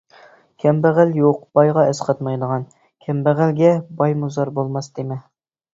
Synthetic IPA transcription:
kʲʰɛmbæʁæljoq̚b̥ɑjʁɑɛsqʰɑt̪mɑjd̪əʁɑn | kʲʰɛmbæʁælɡʲɛbɑjmuzɑɾbolˠmɑsd̪̥emɪ

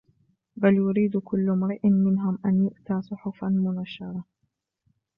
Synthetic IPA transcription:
baljʊɾiːd̪kʊlːmɾɪʔnmɪnɦʊmʔanjʊʔt̪aːsˤʊħʊfanmʊnaʃɑɾˤɑ

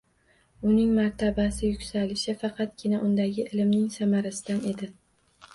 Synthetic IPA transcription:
ʊnɪŋmaɾt̪ʰabasɪjʊkʲsalɪʃɪfɑqʰɑt̪̚ɡʲɪnaʔʊnd̪aɡʲɪʔɪlɪmnɪŋsamaɾasɪd̪ane̞d̪ɪ

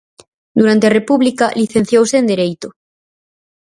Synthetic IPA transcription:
d̪uɾant̪earepuβlikaliθen̟θjowseːnd̪eɾejt̪o

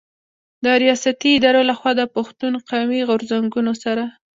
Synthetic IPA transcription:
d̪əɾijɑsat̪iːd̪ɑɾolaxwɑd̪əpaxt̪unqawmiɣʊɾzaŋɡunosaɾa

